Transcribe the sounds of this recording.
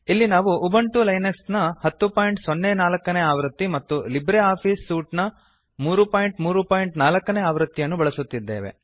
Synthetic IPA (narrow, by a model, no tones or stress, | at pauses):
ilːinaːʋuubɐɳʈulɐjnɐksnɐhɐt̪ːupaːjɳʈsonːeːnaːlɐkːɐneːaːʋɾɐt̪ːimɐt̪ːulibɾeaːpʰiːsːuːʈnɐ | muːɾupaːjiɳʈmuːɾupaːjɳʈnaːlɐkːɐne̞ːaːʋɾɐt̪ːijɐnːubɐɭɐsut̪ːid̪ːḛːʋḛ